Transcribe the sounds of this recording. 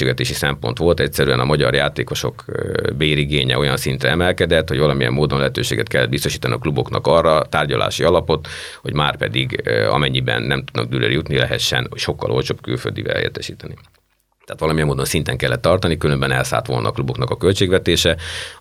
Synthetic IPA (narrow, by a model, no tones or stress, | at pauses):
eːɡʋɛt̪eːʃisɛmpo̞̰nt̪ʋo̞lt̪ɛcsɛɾyɛnɒmɒɟɒrjaːt̪eːko̞ʃo̞̰kbeːiɾiɡeːɲɛ̰o̞jɒnsint̪rɛɛmɛlkɛd̪ɛt̪hoɟvɒlɒmijɛ̰mːoːd̪onlɛɦɛt̪øːʃeːɡɛt̪̚kɛlːɛd̪bist̪o̞ʃiːt̪ɒniɒklubo̞knɒkɒrːɒt̪aːrɟɒlʔa̰ːʃiɒlɒpo̞t̪ | ho̞ɟmaːrpɛd̪iɡɒ̰mɛɲːibɛ̰nːɛmt̪ud̪nɒ̰ɡ̚d̪yːlø̰rjut̪nilɛɦɛt̪ʃːɛ̰nʃo̞kːɒ̰lʔolt͡ʃoːbky̰lfø̰ld̪ḭvɛ̰lḛːt̪ːɛʃiːt̪ɛni | t̪ɛːt̪ʋɒlɒmijɛmoːd̪o̞nsint̪ɛŋkɛlːɛt̪ːɒrt̪ɒnikylømbɛnɛlsa̰ːlt̪ʋo̞lnɒ̰ːklubo̞knɒkɒkølt͡ʃeːɡʋɛt̪eːʃɛ